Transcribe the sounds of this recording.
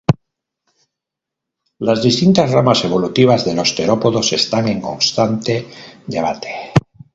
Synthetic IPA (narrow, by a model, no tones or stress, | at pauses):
lazðist̪int̪azramase̞β̞o̞lut̪iβ̞azðe̞lo̞st̪e̞ɾopoðo̞sest̪aŋẽ̞ŋko̞nst̪ant̪ed̪e̞β̞at̪e̥